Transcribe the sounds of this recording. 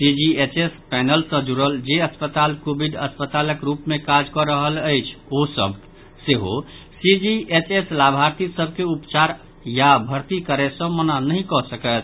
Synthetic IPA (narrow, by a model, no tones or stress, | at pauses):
sid͡ʒiet͡ʃespɛnəlsə̃d͡ʒuɾəld͡ʒeəspət̪alkobʱiɖəspət̪aləkɾupmekad͡ʒkɔɾəɦələjt͡ʃʰosə̰bʱ | seɦo | sid͡ʒiʔet͡ʃeslabʱaɾt̪isəb̚ʱkeupt͡ʃaɾ | jabʱəɾt̪ikəɾɛsə̃mənanəɦĩkɔsəkət̪ʰ